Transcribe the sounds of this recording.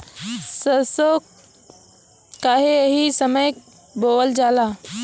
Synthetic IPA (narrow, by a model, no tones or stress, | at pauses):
səso | kaːɦeeɦisəməj | boːəld͡ʒaːlaː